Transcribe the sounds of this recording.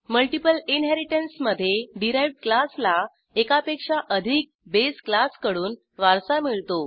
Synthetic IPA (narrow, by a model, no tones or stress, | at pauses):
məlʈipəlinɦɛɾiʈənsməd̪ʱːjeɖiɾajʋɖklasla | ekapekʂaʔəd̪ʱik̚besklaskəɽuːn | ʋaɾsamiɭt̪o